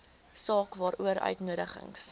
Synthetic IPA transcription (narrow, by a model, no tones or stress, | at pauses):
sɑːkvɑːɾuəɾœ̰ɥtnuəɾəχə̰ŋs